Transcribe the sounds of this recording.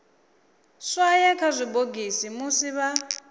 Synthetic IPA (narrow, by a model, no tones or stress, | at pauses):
ʂajɛkʰazʷiboɡisimusiβa